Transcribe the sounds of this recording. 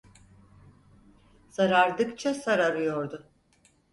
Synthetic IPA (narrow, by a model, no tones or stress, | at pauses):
saɾaɾd̪ɯkt͡ʃʰasaɾaɾɯjoɾd̪ʊ